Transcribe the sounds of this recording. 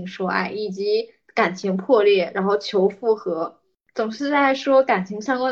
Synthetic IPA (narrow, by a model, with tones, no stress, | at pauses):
ŋʂwɔ˥a̰˥˩ɪi˨˩t͡ɕi˧˥ | ka˨˩nt͡ɕʰi˧˥ŋpʰwɔ˥˧ljɛ˥˩ɻa˧˥nxo˥˩ʊt͡ɕʰjo˧˥ʊfu˥˩xɤ˧˥ | t͡sʊ˨˩ŋʂɻ̩˥˧t͡sa˥˩ɪʂwɔ˥ka˨˩nt͡ɕʰi˧˥ŋɕjɑ˥ŋkwa˥